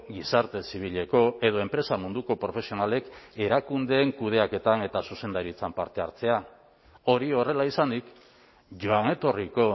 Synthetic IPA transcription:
ɡisaɾt̪e̞siβ̞iʎe̞ko̞e̞ðo̞e̞mpɾe̞samund̪uko̞pɾo̞fe̞sio̞nale̞ke̞ɾakund̪e̞ːŋkuð̞e̞ake̞t̪ane̞t̪asuse̞nd̪aɾit͡sampaɾt̪e̞a̰ɾt͡se̞a | o̞ɾio̞re̞laisand̪ik | ʝo̞ane̞t̪o̞riko̞

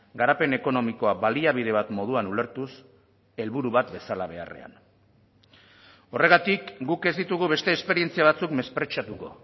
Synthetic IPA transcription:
ɡaɾape̞ne̞ko̞no̞miko̞aβaliaβ̞iðe̞βat̪mo̞ð̞uanuleɾt̪us | e̞lβuɾuβat̪be̞salaβ̞e̞a̰re̞̰a̰n | o̞re̞ɣat̪ikɡuke̞zd̪it̪uɣ̞uβe̞st̪e̞ːspe̞ɾie̞nt͡siaβ̞at͡sukme̞spɾe̞t͡ʃat̪uko̞̰

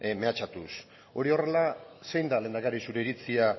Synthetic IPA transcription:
me̞at͡ʃat̪us | o̞ɾio̞re̞lase̞jnd̪alend̪aɣaɾisuɾe̞iɾit͡sia

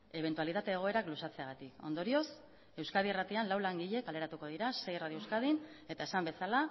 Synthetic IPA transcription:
e̞βent̪ualit̪at̪e̞ːɣ̞o̞e̞ɾaklusat͡se̞aɣ̞at̪iko̞̰nd̪o̞ɾio̞s | e̞wskaðierat̪ianlawlaŋɡiʎe̞kale̞ɾat̪uko̞ð̞iɾase̞jeraðiowskaðine̞t̪ae̞sambe̞sala

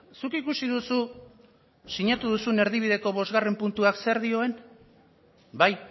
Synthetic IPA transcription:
sukikusiðusu | siɲat̪uðusune̞ɾð̞iβ̞iðe̞ko̞βo̞zɣare̞mpunt̪uakse̞ɾðio̞e̞n | baj

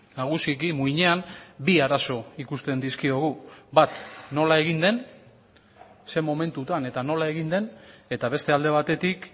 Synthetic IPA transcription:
naɣ̞usikimuiɲe̞anbiaɾaso̞ikust̪e̞nd̪iskio̞ɣ̞ubat̪no̞lae̞ɣind̪e̞n | se̞mo̞me̞nt̪ut̪ane̞t̪ano̞lae̞ɣind̪e̞ne̞t̪aβe̞st̪e̞ald̪e̞β̞at̪e̞t̪ik

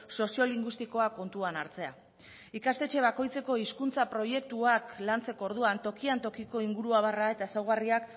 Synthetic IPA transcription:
so̞sio̞liŋɡwist̪iko̞ako̞nt̪uanaɾt͡se̞a̰ | ikast̪e̞t͡ʃe̞β̞ako̞jt͡se̞ko̞iskunt͡sapɾo̞je̞k̚t̪uaklant͡se̞ko̞oɾðuant̪o̞kiant̪o̞kiko̞iŋɡuɾuaβ̞arae̞t̪aesawɣ̞ariak

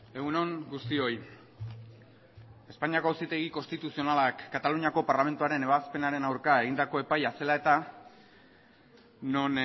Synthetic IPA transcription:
e̞ɣuno̞ŋɡust̪io̞j | e̞spaɲiako̞awsit̪e̞ɣ̞ikost̪it̪usio̞nalakːat̪aluɲiako̞paɾlame̞nt̪uaɾe̞ne̞βaspe̞naɾe̞nawɾkae̞ɣind̪ako̞e̞pajase̞lae̞t̪a | no̞n

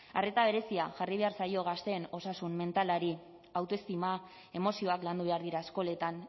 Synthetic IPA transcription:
are̞t̪aβ̞e̞ɾe̞siaʝariβ̞e̞aɾsajo̞ɣ̞ast̪e̞ːno̞sasumme̞nt̪alaɾi | awt̪oe̞st̪ima | e̞mo̞sio̞akland̪uβ̞e̞aɾðiɾaesko̞le̞t̪an

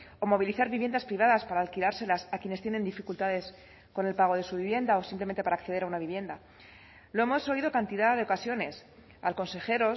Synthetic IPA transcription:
o̞mo̞β̞iliθaɾβiβje̞nd̪aspɾiβaðaspaɾaːlkilaɾse̞lasakje̞ne̞st̪jene̞nd̪ifikult̪aðe̞s | ko̞ne̞lpaɣ̞o̞ð̞e̞suβ̞iβje̞nd̪ao̞simpleme̞nt̪epaɾaːkθeeɾaunaβiβje̞nd̪a | lo̞e̞mo̞so̞ið̞o̞kant̪iðaðeo̞kasjo̞ne̞s | alko̞nse̞xe̞ɾo̞

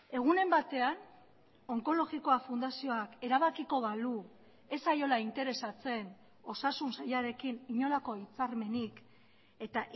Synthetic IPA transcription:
e̞ɣ̞une̞mbat̪e̞an | o̞ŋko̞lo̞ɣiko̞afund̪asio̞ake̞ɾaβ̞akiko̞βalu | e̞sajo̞laint̪e̞ɾe̞sat͡se̞n | o̞sasunsajaɾe̞kiniɲo̞lako̞it͡saɾme̞nik | e̞t̪aʔ

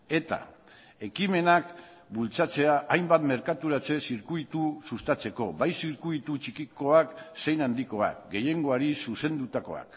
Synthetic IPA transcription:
e̞t̪a̰ | e̞kime̞nak | bult͡sat͡se̞aʔːjmbat̪me̞ɾkat̪uɾat͡se̞siɾkuit̪usust̪at͡se̞ko̞bajsiɾkuit̪ut͡ʃikiko̞akse̞jnand̪iko̞a̰kɡe̞je̞ŋɡo̞aɾisuse̞nd̪ut̪ako̞̰a̰k

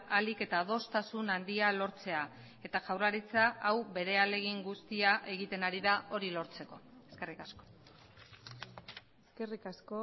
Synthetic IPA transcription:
alike̞t̪aðo̞st̪asunand̪ialo̞ɾt͡se̞a | e̞t̪aʝawraɾit͡saʔːwβe̞ɾe̞ale̞ɣiŋɡust̪iaʔe̞ɣ̞it̪e̞naɾiðaʔo̞ɾilo̞ɾt͡se̞ko̞e̞̥ske̞rikasko̞̥ | eske̞rikasko

